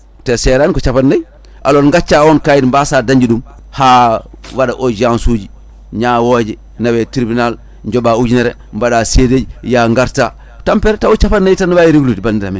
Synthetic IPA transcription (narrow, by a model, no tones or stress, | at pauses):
tɛsɛɾankɔt͡ʃapatnaj | ʔa̰lonŋɡat͡ʃːawɔnkajinmbasadaɲd͡ʒiɗum | haː | waɗaʔod͡ʒansuːd͡ʒi | ɲaːwod͡ʒi | nawɛtiɾbinal | ɲd͡ʒɔbaud͡ʒineɾɛ | mbaɗaːseded͡ʒjaŋɡaɾta | tampɛɾtawut͡ʃapanːajtanːwajiɾiɡlutbandiɾamin